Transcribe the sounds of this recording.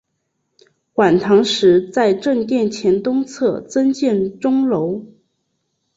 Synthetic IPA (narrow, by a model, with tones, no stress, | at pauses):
xwa˨˩nt̪ʰɑ˧˥ŋʂɻ̩˧˥t͡sa˥˧ɪʈ͡ʂə˥˧ŋt̪̬jɛ˥˩nt͡ɕʰjɛ˧˥nt̪ʊ˥ŋt͡sʰɤ˥˩t͡sə˥nt͡ɕjɛ˥˩nʈ͡ʂʊ˥ŋlo˧˥ʊ